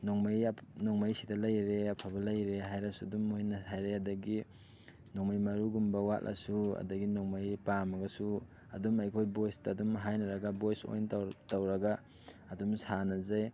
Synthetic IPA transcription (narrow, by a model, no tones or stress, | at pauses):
noŋmajnoŋmajsidɐlɐjɾeɐpʰɐbɐlɐjɾeɦajɾɐsuɐdumuhinɐhajɾeɐdɐɡi | noŋmajmɐɾuɡumbɐwa̰tlʔɐ̰suɐ̰dɐɡinoŋmajpamɐɡɐsu | ɐ̰dumɐjkʰojbojstɐːdumɦajnɐɾɐɡɐbojso̰jnttɐwɾɐɡaː | dumsanɐzaj